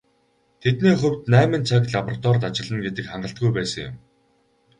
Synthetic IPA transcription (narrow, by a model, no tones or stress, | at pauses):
t̪ʰet̪niːχɵwʲt̪næːmɘ̆nt͡sʰak̬ɮapɔrat̪ɔrt̪at͡ɕɪ̆ɮə̆nɡet̪ɘ̆kχaɴɢə̆ɬt̪̚ɡujpæːsə̆ŋjʊ̰̆m